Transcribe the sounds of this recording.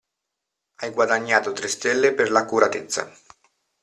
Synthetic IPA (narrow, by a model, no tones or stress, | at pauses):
ajɡwad̪aɲːaːt̪ot̪ɾest̪elːeperlakːuɾat̪et̪sːa̰